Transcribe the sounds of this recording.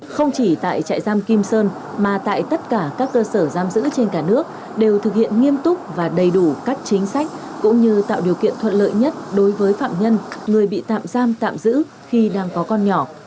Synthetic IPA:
xə˧wŋ͡mt͡ɕi˧˩t̪a̰ː˧˨jt͡ɕa̰ː˧˨jzaː˧mki˧msəː˧n | maː˨˩t̪a̰ː˧˨jt̪ə˦˥t̚kaː˧˩kaː˦˥kːəː˧səː˧˩zaː˧mzɨ̰˧˥t͡ɕe˧nkaː˧˩nɨ˦˥ək̚ | ɗe˨˩wt̪ʰɨ˨˩k̚hḭ˧˨ənŋi˧əmt̪ʊ˦˥k͡p̚vaː˨˩ɗə˨˩jɗu˧˩ka˦˥jk̟̚t͡ɕï˨˦ŋ̟sa˦˥jk̟̚ | kʊ̰˧˥ŋ͡mɲɨ˧t̪a̰ː˧˨wɗi˨˩əwkḭ˧˨ənt̪ʰwə̰˧˨nlə̰ː˧˨jɲə˦˥t̚ɗo˨˦jvəː˨˦jfa̰ː˧˨mɲə˧nŋɨ˨˩əjɓḭ˧˨t̪a̰ː˧˨mzaː˧mt̪a̰ː˧˨mzɨ̰˧˥ | xi˧ɗaː˧ŋkɔ˨˦kɔ˧nɲɔ˧˩

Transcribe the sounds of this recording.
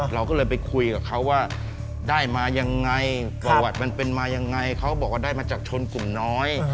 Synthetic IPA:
ɾa˧wkɔː˥˩lɤː˧jp̬a˧jkʰu˧jka˨˩kʰa˦˥wːaː˥˩ | daː˥˩jmaː˧ja˧ŋːa˧jpa˧˩wa˨˩t̪̚ma˧npe˧nmaː˧ja˧ŋːa˧jkʰa˦˥wbɔː˨˩k̚waː˥˩daː˥˩jmaː˧˩t͡ɕaː˨˩k̚t͡ɕʰo˧nklu˨˩mnɔː˦˥j

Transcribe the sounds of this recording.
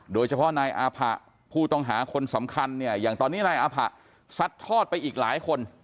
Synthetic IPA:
doː˧jt͡ɕʰa˧pʰɔ˦˥naː˧jʔaː˧pʰa̰˨˩ | pʰuː˥˩t̪ɔ˥˩ŋɦaː˩˦kʰo˧nsa˩˦mkʰa˧nːi˥˩ɐjaː˨˩ŋt̪ɔː˧nːiː˦˥˩naː˧jʔaː˧pʰa˨˩ | sa˦˥t̪ʰːɔː˥˩t̪̚pa˧jʔiː˨˩k̚laː˩˦jkʰo˧n

